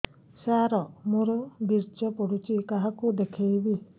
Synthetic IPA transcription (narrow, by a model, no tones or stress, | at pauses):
seaɾɔmuɾɔbiɾd͡ʒɔpɔɽut͡ʃikaɦakud̪ekʰejbi